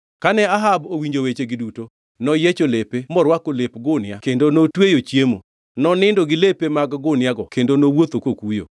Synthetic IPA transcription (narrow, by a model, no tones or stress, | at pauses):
kanɛaɦabowiɲd͡ʒowet͡ʃeɡɪduto | nɔjet͡ʃolepemɔɾwakolepɡʊnɪakendonotwejot͡ʃjemo̰ | nɔnɪndoɡɪlepemaɡɡʊnjaɡɔkendonowot̪okokujo̰